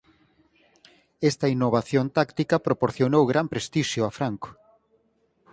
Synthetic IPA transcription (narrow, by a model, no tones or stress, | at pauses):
est̪ɐinːoβ̞aθjont̪akt̪ikɐpɾopoɾθjonowɣɾampɾest̪iʃjʊafɾaŋko̥